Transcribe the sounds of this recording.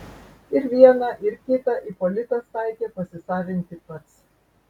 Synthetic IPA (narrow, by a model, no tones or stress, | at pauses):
ɪɾʋʲiɛnɑʔɪɾkʲɪt̪ɐʔɪpɔlʲɪt̪ɐst̪ɑɪkʲeːpɐsʲɪsɑːʋʲɪnʲt̪ʲɪpɐt̪s